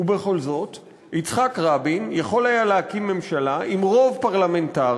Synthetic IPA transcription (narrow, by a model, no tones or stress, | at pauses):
ube̞χo̞lzo̞t | it͡sχakʁabinjaχo̞lajaleakimːe̞mʃalaʔimʁo̞vpaʁlame̞nta